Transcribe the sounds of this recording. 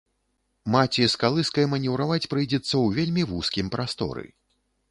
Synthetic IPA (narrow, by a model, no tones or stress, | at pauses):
mat͡sʲiskalˠɨskɐjɐmɐnʲɛwɾavat͡sʲpɾɨjd͡zʲɛt̪sːɐwvʲelʲmʲivuskʲimpɾʔast̪ɔ̰ɾɨ̰